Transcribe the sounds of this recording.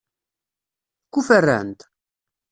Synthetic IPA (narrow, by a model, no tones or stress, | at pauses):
kʷːufərːæ̰nt̪